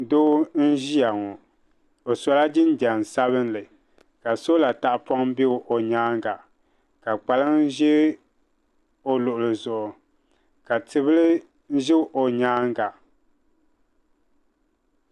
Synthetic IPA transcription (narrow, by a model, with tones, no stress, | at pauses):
doː˦n̩˦ʒi˦a˨ŋɔ˨ | o˨so˨la˦d͡ʒɪ˦n˦da˨n˨sa˦βɨ˦n˦lɨ˨ | ka˨so˦la˨ta˨ʔpɔ˦ŋ˦bɪ˦o˨ʔo˨ɲaː˦ŋ˦ɡa˨ | ka˨k͡pa˨lɨ˦ŋ˦ʒɛ˦ | o˦lʊ˨ʔʊ˨lɨ˨zʊ˨ʔʊ˨ | ka˨tɨ˨βɨ˦lɨ˦ | n̩˦ʒɪ˦ʔo˨ɲaː˦ŋ˦ɡa˨